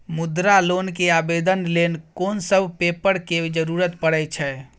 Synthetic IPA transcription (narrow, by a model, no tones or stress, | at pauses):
mud̪ɾalonkeabed̪ənlenkonsəbʱpepəɾked͡ʒəɾuɾət̪pəɽɛjt͡ʃʰɛ